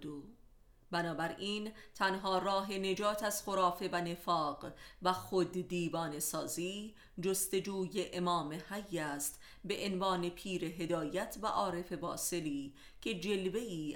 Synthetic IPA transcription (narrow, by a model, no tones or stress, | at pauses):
bænɒːbæɾiːnt̪ʰænɦɒːrɒːɦe̞ne̞d͡ʒɒːt̪ʰæz̥χo̞ɾɒːfe̞væne̞fɒːɢvæxod̪ːiːvɒːne̞sɒ̰ːziː | d͡ʒost̪e̞d͡ʒuːje̞ʔemɒːme̞hæjːæːst̪ | be̞ʔenvɒːne̞pʰiːɾe̞ɦe̞d̪ɒːjæt̪ʰvæʔɒːɾe̞fe̞bɒ̰ːse̞liː | cʰe̞d͡ʒe̞lve̞jiː